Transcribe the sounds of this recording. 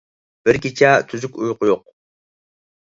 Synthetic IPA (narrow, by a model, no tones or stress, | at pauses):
b̥ɪɾkʲit͡ʃʰɛt̪ʰyzykʲujqjoq̚